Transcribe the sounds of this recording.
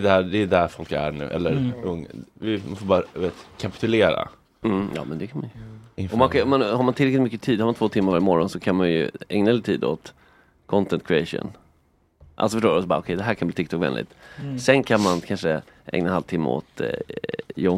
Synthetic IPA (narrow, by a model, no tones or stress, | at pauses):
d̪æd̪ɛd̪æɾfɔlkæ̰ɳʉ̟ːʔɛ̰lːəɾɵŋːvɪmafoːbɑːɾad̪veːt̪kʰapɪ̥t̪ɵleːɾa̰ | m̩jɑ̰ːmɛnd̪ɛkʰanmanjɪɔmankaɔmanhaɾmant̪ʰɪlɛklɪt̪mʏkːət̪ʰiːd̪haɾmant̪ʰvoːt̪ʰɪmːaɾvaɾɪmɔɾɔnsɔkʰanmanjɵ̰ɛŋnaɛlt̪ʰiːd̪o̰t̪ | kʰɔnt̪ʰɛnt̪̚kʰɾɪɛʂʊ̰n | ʔa̰lsɔfəʂʈoːɾɔsɔbɑ̰ːɾɔkʰɛjd̪ɛɦæːɾkʰanbliːt̪ɪk̚t̪ʰɔkvɛ̰nlʔɪ̰t̪sɛnkʰanmankʰanʂə | ʔɛ̰ŋnanhalvt̪ʰɪmːə̰o̰ːt̪ | jo